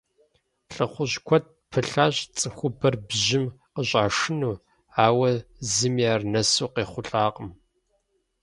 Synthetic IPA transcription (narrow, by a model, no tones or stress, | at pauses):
ɬʼɨχʷʊɕkʷʰɔt̚pʰɨɬaːɕʼt͡sʼɨxʷʊbɐrbʑɪmqəɕʼaːʂɨnuː | aːwɐzɨmjaːrnɐsuːqeːχʷʊɬʼaːqʼəm